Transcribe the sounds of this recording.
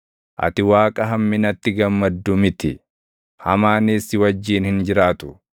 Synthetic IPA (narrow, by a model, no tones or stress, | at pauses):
ʔɐ̰t̪ɪwaːkʼɐɦɐmːɪnɐt̪ːɪɡɐmːɐd̪ːʊmɪt̪ɪ | hɐmaːniːsɪwɐd͡ʒːiːnhɪnd͡ʒɪɾaːt̪ʊ̥